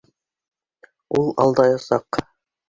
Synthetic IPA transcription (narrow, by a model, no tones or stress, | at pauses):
ulˠɑ̰lˠd̪ɑjɑsɑq